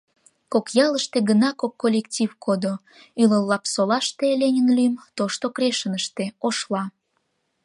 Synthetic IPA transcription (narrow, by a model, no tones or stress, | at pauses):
kokjɑləʃt̪eɡənɑkokːolʲektʲivkʰod̪o | yləlːɑpsolɑʃt̪elʲenʲənlyjəmt̪oʃt̪okɾeʃənəʃt̪eoʃlɑ